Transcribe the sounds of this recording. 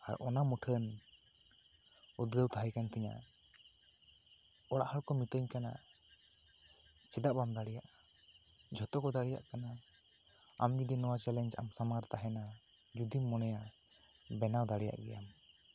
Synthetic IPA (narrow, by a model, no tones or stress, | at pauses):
a̰ɾɔnamuʈʰən | ud̪ɡəwt̪aɦajkant̪ɛɲa̰ | ɔɽaʔhaɽkɔmit̪əɲkana̰ | t͡ʃɛdaʔbamd̪aɽɛjaʔ | d͡ʒʱɔt̪ɔkɔd̪aɽɛja̰ʔkana | a̰md͡ʒud̪inɔwat͡ʃɛlɛnd͡ʒa̰msamaɾt̪aɦɛnad͡ʒud̪imːɔnɛja | bɛnawd̪aɽɛja̰ʔɡɛjam